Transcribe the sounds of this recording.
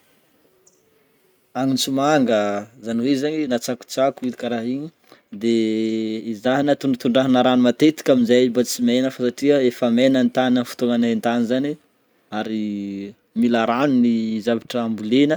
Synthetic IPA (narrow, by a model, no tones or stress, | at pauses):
aŋint͡sumaŋɡəzaniwezaninat͡saku̥t͡sakuid̪ikaɾaɦiɲi | d̪eː | zaɦinat̪uɳɖ͡ʐat̪uɳɖ͡ʐaɦinaɾanumat̪et̪i̥kʲaminzabat͡simenəfasaʈ͡ʂiəefəmenənt̪ananfu̥t̪oŋanaint̪anizani | aɾi | milaɾanunizavaʈ͡ʂəːmbulenə